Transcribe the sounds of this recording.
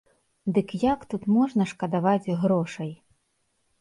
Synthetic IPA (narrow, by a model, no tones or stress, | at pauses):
d̪ɨkjakt̪ut̪mɔʐnɐʂkɐd̪avad͡zʲɣɾɔʂɐj